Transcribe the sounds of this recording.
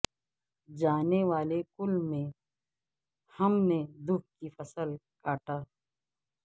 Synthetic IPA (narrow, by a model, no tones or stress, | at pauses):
d͡ʒaːneʋaːlekʊlmẽ | hɐmned̪ʊk̚kifɐsəl | kaːʈaː